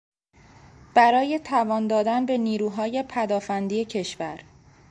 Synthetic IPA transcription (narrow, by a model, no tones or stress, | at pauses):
b̥æɾɒːje̞t̪ʰævɒːnd̪ɒːd̪ænbe̞niːɾuːɦɒːje̞pʰæd̪ɒːfænd̪iːecʰe̞ʃvæɾ